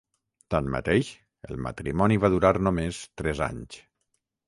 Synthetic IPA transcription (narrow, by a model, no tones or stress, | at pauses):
t̪anmə̰t̪eʃ | ə̰lˠmə̰t̪ɾimɔniβaðuɾaɾnomest̪ɾɛza̰ɲs